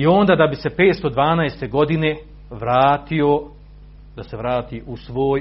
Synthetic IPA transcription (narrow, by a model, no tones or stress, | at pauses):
io̞ːnd̪aːd̪abise̞pe̞ːt̪st̪o̞d̪ʋaːnaest̪eɡo̞d̪ine̞ | ʋɾaːt̪io | d̪aseʋɾaːt̪iːʔusʋo̞ːj